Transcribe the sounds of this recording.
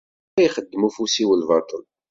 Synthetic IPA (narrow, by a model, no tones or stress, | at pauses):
jχəd̪ːmufusiwəlvɑt̪ˤəl